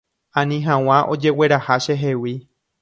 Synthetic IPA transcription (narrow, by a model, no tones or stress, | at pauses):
ãnĩɦãw̃ãʔo̞̰d͡ʒe̞we̞ɾahaʃeɦewi